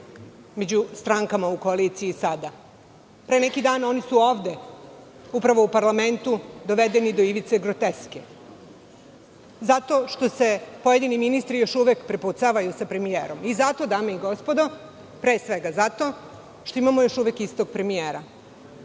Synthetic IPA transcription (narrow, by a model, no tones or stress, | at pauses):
me̞d͡ʑust̪ɾaŋkamaukoalit̪siiːsad̪a | pɾenekid̪aːno̞nisuo̞ːʋd̪e | upɾaʋo̞upaɾlame̞nt̪ud̪o̞ʋed̪enid̪oiʋit̪seɡɾot̪eske | zat̪o̞ʃt̪o̞se̞pojed̪iniminist̪ɾijo̞ʃuʋekpɾeput̪saʋajusapɾe̞mijeːɾo̞mizat̪od̪aːmeiɡo̞spod̪o̞ | pɾeːsʋeɡazat̪o̞ː | ʃt̪o̞imamojo̞ʃuʋekist̪oɡ̚pɾe̞mijeːɾa